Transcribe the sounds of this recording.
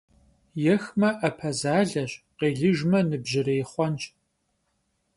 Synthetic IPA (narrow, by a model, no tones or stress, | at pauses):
jɛxmɐʔɐpʰɐzaːɮɐɕqeːɮɨʒmɐnɨbʑɪreːχʷɔnt͡ʃʼ